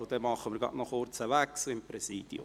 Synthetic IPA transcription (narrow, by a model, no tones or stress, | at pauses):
ʊd̥ɛmɑχəmɪːɾɡɑ̰tnɔχoɾt͡səʋæksl̩ɪmpɾɛsiːd̥jʊ̰